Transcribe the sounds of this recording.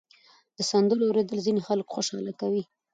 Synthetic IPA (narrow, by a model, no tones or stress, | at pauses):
d̪̥əsɑnd̪əlowɾed̪əlzinexalkxoʃɑlakawi